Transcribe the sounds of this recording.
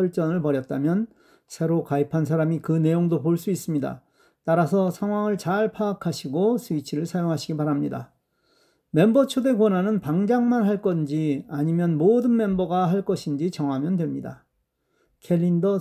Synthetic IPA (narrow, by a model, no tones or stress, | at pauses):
ʌɭt͡ɕ͈ʌnɯɭpʌɾjʌt̚t͈amjʌn | sʰe̞ɾokaipʰans̬ʰaɾamikɯne̞joŋdopoɭs͈uis͈ɯmɲida̰ | t͈aɾasʰʌsʰaŋwaŋɯɭt͡ɕaɭpʰaːkʰaɕʰiɡosʰuit͡ɕʰiɾɯɭsʰajoŋɦaɕʰiɡipaɾamɲida̰ | me̞mbʌt͡ɕʰode̞kwʌnɦanɯnpaŋd͡ʑaŋmanɦaɭk͈ʌnd͡ʑiaɲimjʌnmodɯnme̞mbʌɡaɦaɭk͈ʌɕʰind͡ʑit͡ɕʌŋɦamjʌndwe̞mɲida̰ | kʰe̞ʎːindʌ